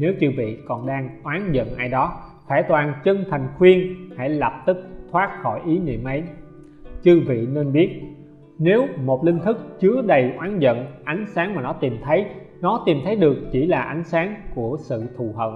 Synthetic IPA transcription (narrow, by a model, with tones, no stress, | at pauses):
ne˨˦wt͡ɕɨ˧vḭ˧˨kɔ˨˩nɗaː˧ŋʔwaː˨˦nzə̰˧˨nʔaː˧jɗɔ˨˦t̪ʰaː˧˩t̪waː˨˩nt͡ɕə˧ŋt̪ʰa˨˩jŋ̟xwi˧ənha̰˧˩jlə˨˩p̚t̪ɨ˦˥k̚t̪ʰwaː˦˥t̚xɔ˧˩jʔi˨˦nḭ˧˨əmʔə˨˦j | t͡ɕɨ˧vḭ˧˨neː˧nɓi˦˥ət̚ | ne˨˦wmo˨˩t̚lï˧ŋ̟t̪ʰɨ˦˥k̚t͡ɕɨ˨˦əɗə˨˩jʔwaː˨˦nzə̰˧˨nʔa˨˦jŋ̟saː˨˦ŋmaː˨˩nɔ˨˦t̪i˨˩mt̪ʰə˨˦jnɔ˨˦t̪i˨˩mt̪ʰə˨˦jɗɨ˨˩ək̚t͡ɕi˧˩laː˨˩ʔa˨˦jŋ̟saː˨˦ŋku˧˩əsɨ̰˧˨t̪ʰu˨˩ɦə̰˨˩n